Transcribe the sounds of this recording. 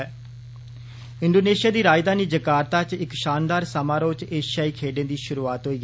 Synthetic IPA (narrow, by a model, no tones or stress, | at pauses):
ɪɳɖoːneːʃɪjaːd̪iːɾaːjɪd̪aːniːd͡ʒəkaːɾt̪aːt͡ʃɪkʃaːnd̪aːɾsəmãːɾoːt͡ʃeːʃjaːiːkʰeːɖẽːd̪iːʃʊɾuːaːt̪ɦoːiː